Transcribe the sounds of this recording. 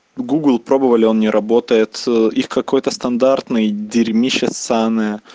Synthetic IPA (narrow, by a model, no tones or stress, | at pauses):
ɡuɡlˠpɾo̞bəvəlʲɪo̞nnʲɪɾʔɐbo̞t̪əjɪt̪ixkɐko̞jt̪əst̪ɐnd̪art̪nɨjdʲɪɾʲmʲiɕɪsanɨjə